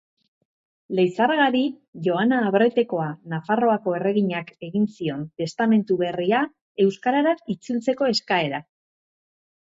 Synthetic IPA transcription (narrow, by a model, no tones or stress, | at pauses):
le̞jsaɾɣaɾi | ʝo̞anaːβɾojt̪e̞ko̞anafaro̞ako̞e̞re̞ɣiɲake̞ɣinsio̞nt̪e̞st̪ame̞nt̪uβe̞ria | e̞wskaɾaɾait͡sult͡se̞ko̞e̞skae̞ɾa